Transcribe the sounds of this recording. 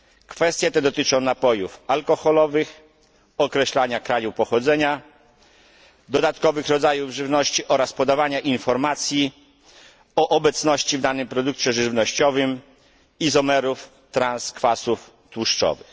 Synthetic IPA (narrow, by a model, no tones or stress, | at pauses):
kfɛst̪ʲjɛt̪ɛd̪ɔt̪ɘt͡ʂɔ̃w̃napɔjufalkɔxɔlɔvɘx | ɔkɾɛɕlaɲakɾajupɔxɔd̪zɛɲa | d̪ɔd̪at̪kɔvɘxɾɔd̪zajuvʐɘvnɔɕt͡ɕiʔɔɾaspɔd̪avaɲaʔinfɔɾmat̪sʲji | ɔʔɔbɛt̪snɔɕt͡ɕivd̪anɘmpɾɔd̪ukt͡ɕɛʐɘvnɔɕt͡ɕɔvɘm | izɔmɛɾuf | t̪ɾanskfasuf | t̪wuʂt͡ʂɔ̰vɘx